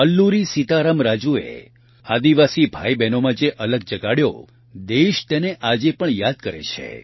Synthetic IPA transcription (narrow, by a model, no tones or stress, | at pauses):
əlːuɾisit̪aɾəmɾad͡ʒuḛ | ad̪iʋasibʱa̰jbɛnomãd͡ʒeʔələɡd͡ʒəɡaɽjo̰ | d̪eʃt̪eneʔad͡ʒepəɳjad̪̚kəɾḛt͡ʃʰḛ